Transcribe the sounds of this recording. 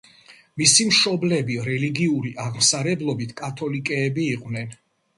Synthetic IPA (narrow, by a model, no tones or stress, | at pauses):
misimʃɔblɛbiɾɛliɡiuɾiʔaʁmsaɾɛblˠɔbit̪ʰkʼat̪ʰɔlikʼɛːbiːqʼwnɛn